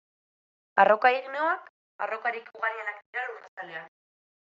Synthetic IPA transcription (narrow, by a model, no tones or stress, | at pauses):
a̰ro̞kaiɣneoak | a̰ro̞kaɾikuɣaɾienak̚d̪iɾaɾurasalean